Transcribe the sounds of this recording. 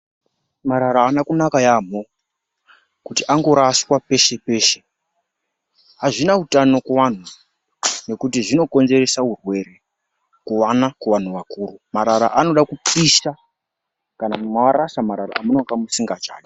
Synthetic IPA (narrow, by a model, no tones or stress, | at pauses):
maɾaɾaːnakunakajaːm̤o | kutiʔaŋɡo̞ɾaswape̞ʃe̞pe̞ːʃe̞ | ɦaʐinautano̞kuwan̤u | ne̞kutiʐino̞ko̞nze̞ɾe̞saurwe̞ɾe̞ | kuwanakuʋan̤uʋakuːɾumaɾaɾa̰ʔano̞ɗakupiʃa | kanamunowaɾasamaɾaɾa̰amuno̞ŋɡamusiŋɡat͡ʃa̰ːɗi